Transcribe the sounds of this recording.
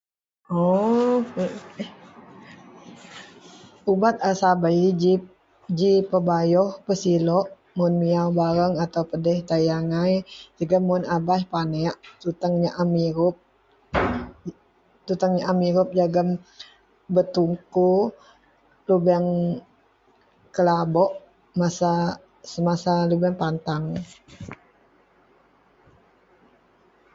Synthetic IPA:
ɔ | ubat̪̚asabaid͡ʒi | d͡ʒipəbajɔhpəsilɔʔ | mʊnmiawbaɾəŋat̪awpədɛht̪ajaŋajd͡ʒaɡamːʊnabahpanɛʔt̪ut̪əŋɲaʔamiɾʊp̚ | t̪ut̪aŋɲaʔamiɾʊp̚d͡ʒaɡəm | bət̪uŋku | lubɛŋ | kəlabɔʔ | masa | səmasalubɛŋpant̪aŋ

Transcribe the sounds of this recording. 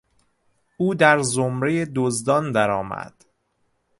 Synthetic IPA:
ʔuːd̪æɾzomɾejed̪ozd̪ɒːnd̪æɾɒːmæ̰d̪̥

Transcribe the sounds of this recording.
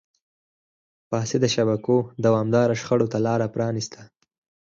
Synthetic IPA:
pɑːsed̪əʃabakod̪awɑmd̪ɑɾaʃxaɽot̪alɑɾapɾɑnist̪ʰa

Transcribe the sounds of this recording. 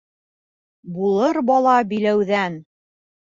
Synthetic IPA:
bulˠɤɾbɑlˠɑbilæwðæn

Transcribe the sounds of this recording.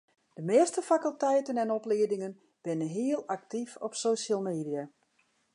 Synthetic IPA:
d̥əmeəstəfakəlˠtɛjtənɛnɔplɪːdɪŋən | b̥ɪnəɦɪəlˠak̚tifɔpsoːʃalˠmeːdija

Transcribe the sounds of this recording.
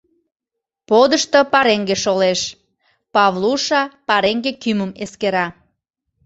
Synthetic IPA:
pod̪əʃt̪opɑɾeŋɡeʃoleʃ | pɑβlˠuʃɑpɑɾeŋɡekyməmeskeɾɑ

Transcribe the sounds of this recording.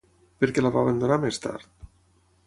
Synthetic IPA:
peɾkelaβaβend̪onamest̪a̰ɾt̪

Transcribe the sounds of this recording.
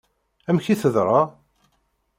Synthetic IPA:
æmçiθəðɾˤɑ

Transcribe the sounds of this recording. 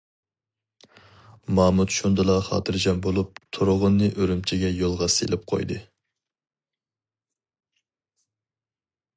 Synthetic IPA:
mɑːmut̪ʃund̪ɨlˠɑχɑ̰ːt̪ʰɨɾd͡ʒɑnbolˠup̚t̪ʰuɾʊʁʊnːɨʔøɾymt͡ʃʰiɡʲɛjolˠʁɑsḛlɪp̚qʰo̰jd̪ɨ

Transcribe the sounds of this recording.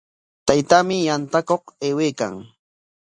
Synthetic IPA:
t̪ajt̪amɪjant̪akoχeːweːka̰ŋ

